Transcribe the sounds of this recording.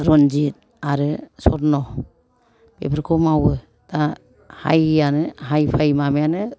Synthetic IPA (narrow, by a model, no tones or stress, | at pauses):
ɾɔnd͡ʒit̚ | aɾɯsɔɾnɔ | b̥ḛpʰɾkʰɔmawɯ | ta | ha̰janɯɦajpʰajmamejanɯ